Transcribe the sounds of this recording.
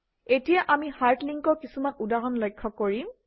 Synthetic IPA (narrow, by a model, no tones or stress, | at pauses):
etijaʔamihaɹtliŋkɔɹkisumanudaɦɔnlojkʰːɔkːoɹim